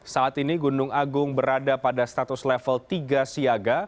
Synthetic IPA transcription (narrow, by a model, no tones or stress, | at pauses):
saʔːt̪iniɡunʊŋaɡʊŋbəɾadapadast̪at̪ʊslɛfəlt̪iɡasiaɡa